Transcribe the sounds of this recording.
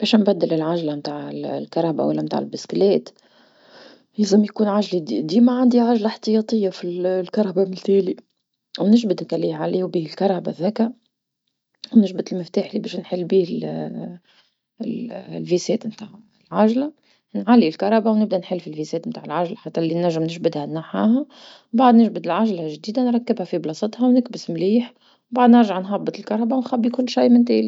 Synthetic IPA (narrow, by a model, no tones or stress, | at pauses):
b̥ɛːʃnbæd̪ːɪlɪlʕaʒlamt̪aːʕɪllkɑɾˤɑːba̰walːɛmt̪a̰ʕɪlbɪsklɛːt̪ | jæzəmjkuːnʕaʒlid̪iːmaʕand̪iʕaʒlaħt̪əjɑt̪ˤɨjːafillkɑɾˤɑbamɪnt̪æːli | wnɪʒbɪd̪ɪkʕliːʕaliːwbiːhɪlkɑɾˤɑbaðæːkæ | wnɪʒbɪt̪ɪlmɪft̪aːħlibɛːʃnħɪlːbiːɪl | lfisɛːt̪mt̪aːʕ | lʕaʒlæ | nʕalːilkɑɾˤɑbawnɪb̚d̪ænħɪlːfilfisɛːt̪mt̪aːʕɪlʕaʒlaħat̪ːælːinæʒːɪmnɪʒbɪd̪hænːaħaːɦæ | baʕd̪nɪʒbɪd̪ɪlʕaʒlæʒd̪iːd̪anɾˤɑkːɪbhæfiblɑsˤɑt̪ˤhɑwnɪkbɪsmliːħ | baʕd̪nɪɾˤʒaʕnħɑbːɨt̪ˤɪlkɑɾˤɑbawnxæbːikʊlːʃijmɪnt̪æ̰ːli